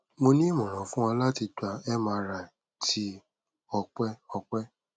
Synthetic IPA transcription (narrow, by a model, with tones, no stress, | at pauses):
mo˧nĩ˦mɔ̃˨ɾ̃ɔ̃˨fũ˦ã˧la˦ti˧da˧ɛ˦mã˧˦˧ɾa˨ | tʰi˦ | ɔ˧k͡pɛ˦ɔ˧k͡pɛ˦